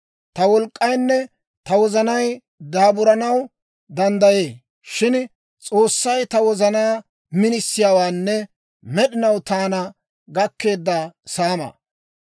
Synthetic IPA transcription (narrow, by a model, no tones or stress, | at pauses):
t̪ɐwɔlkʼːɐjnːɛ | t̪ɐwɔzɐnɐj | d̪aːbʊɾɐnɐw | d̪ɐnd̪ɐje̞ː | ʃɪn | t͡sʼo̞ːsːɐjt̪ɐwɔzɐnaː | mɪnɪsːɪjaːwaːnːɛ | mɛɗɪnɐwt̪aːnɐ | ɡɐkːe̞ːd̪ːɐsaːmɐ̰